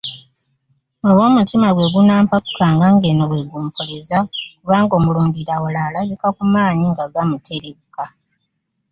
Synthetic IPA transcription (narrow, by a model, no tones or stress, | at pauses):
oβo̞ːmutimaɡwe̞ɡunaːmpaku̥kaːŋɡaŋɡeːnoβwe̞ɡuːmpʰolezakuβaːŋɡo̞ːmuluːmbiɾawolalajukakumaːɲiŋɡaɡamutʰeɾeβika